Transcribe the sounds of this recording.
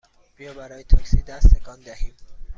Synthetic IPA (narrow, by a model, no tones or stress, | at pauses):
b̥ijɒːbæɾɒːjet̪ʰɒksid̪æst̪ʰekʰɒːnd̪æhiːm